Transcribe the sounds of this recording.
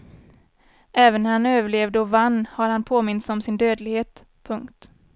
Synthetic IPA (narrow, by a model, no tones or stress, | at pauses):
ʔɛːvənːæɾhanøːvəɭeːvd̪əɔvanːhaɾhanpʰoːmɪnt̪sɔmsɪnd̪øːd̪lɪɡheːt̪ | pʰɵŋkt̪